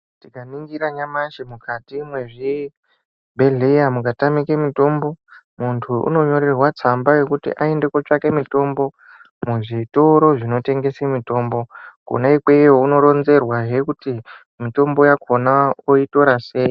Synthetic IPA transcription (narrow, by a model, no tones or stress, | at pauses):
tikaniŋɡiɾaɲamaʃimukʰatimwe̞ʐi | bʱe̞ɮejamukatamikemito̞mbo̞ | muntʰuʔṵno̞ɲo̞ɾerwat͡sambaje̞kutḭʔae̞nde̞kot͡ʂakemito̞mbo̞ | muʐitoɾo̞ʐino̞te̞ŋɡe̞semito̞ːmbo̞ko̰naikwe̞jouno̞ɾo̞nze̞rwaɦe̞kuti | mito̞mbo̞jakonaoito̞ɾase̞ːji